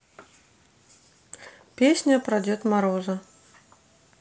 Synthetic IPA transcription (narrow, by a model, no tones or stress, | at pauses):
pʲesʲnʲɐpɾad͡zʲɛt̪maɾɔzɐ